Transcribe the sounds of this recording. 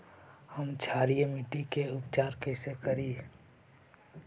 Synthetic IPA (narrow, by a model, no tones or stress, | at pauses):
həmt͡ʃʰaːɾijmiʈikeʊp̚t͡ʃaːɾkəɪsekəɾiː